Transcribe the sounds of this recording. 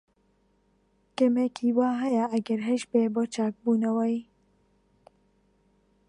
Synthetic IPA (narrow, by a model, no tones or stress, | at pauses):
kɛmekʰiːwaːɦɐjaʔɐɡɐɾɦɛʃbeːboːt͡ʃaːk̚buːnɐwɛj